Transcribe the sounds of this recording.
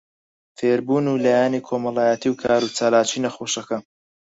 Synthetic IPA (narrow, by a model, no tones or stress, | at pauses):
feːɾbuːnuːlaːjaːniːkʰoːmɐlˠaːjat̪ʰiːwkʰaːɾut͡saːlaːt͡ʃiːnɐxoːʃɐkɐ